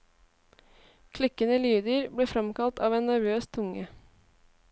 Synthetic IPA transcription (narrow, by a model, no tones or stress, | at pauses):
kʰlɪkənəlyːd̪əɾbleːfɾɑmkɑlt̪ɑːʋeːnnæɾʋøːst̪ʰʊŋə